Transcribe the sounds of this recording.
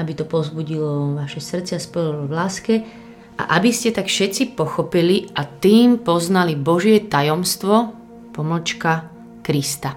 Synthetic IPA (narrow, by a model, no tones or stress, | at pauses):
ʔabit̪ɔpɔzbuɟilɔʋaʃɛsr̩t͡sɛaspɔlɔʋlaːskɛ | ʔa̰ʔabiscɛt̪akfʃɛt͡sipɔxɔpiliʔat̪iːmpɔznalibɔʒɪɛt̪ajɔmst̪ʋɔ | pɔml̩t͡ʃka | kɾist̪a